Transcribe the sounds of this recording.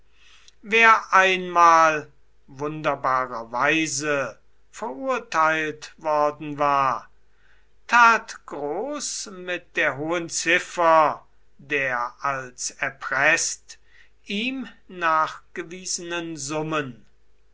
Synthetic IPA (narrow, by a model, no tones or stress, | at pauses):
veːɐʔaɪnmaːl | vʊndɐbaːʁɐvaɪzə | fɛɐʔuɐtʰaɪltvɔɐdn̩vaːɐ | tʰaːtɡ̥ʁoːsmɪt̚d̥eːɐɦoːənt͡sɪfɐ | deːɐʔalsɛɐpʁ̥ɛst | ʔiːmnaːχɡ̥əviːzənənzʊmən